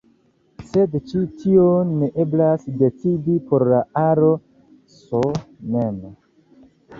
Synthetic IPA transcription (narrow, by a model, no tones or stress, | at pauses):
se̞dt͡ʃitʰionːeʔe̞blasde̞t͡sidipo̞ɾlaaɾo̞ | sonen